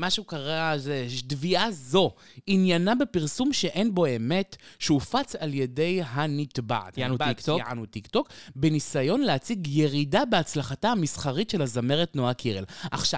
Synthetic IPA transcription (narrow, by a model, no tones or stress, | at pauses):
maʃukaʁazedviʔazo̞ | injanabe̞piʁsumʃe̞ʔe̞nbo̞eme̞tʃeufat͡salje̞de̞jɦanitba̰ʕa̰t | a̰nutikto̞kbe̞nisajo̞nleat͡siɡje̞ʁidabeat͡slaχatahamisχaʁitʃe̞lazame̞ʁetnoakʰiʁḛlʔa̰χʃa